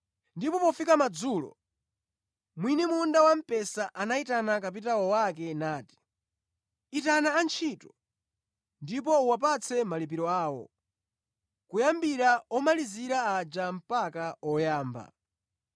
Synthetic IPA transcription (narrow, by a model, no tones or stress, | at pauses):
ndipɔpɔfikamad͡zuːlɔ̰ | mwinimundawam̩pɛsaʔanaitanakap̬itawɔwak̬ɛnaːti̥ | itanaːnt͡ʃʰitɔ | ndip̬ɔuwapat͡sʰɛmalip̬iɾɔaːwɔ̰ | kujambiɾaɔmaliziɾaad͡ʒam̩pakaɔjaːmba̰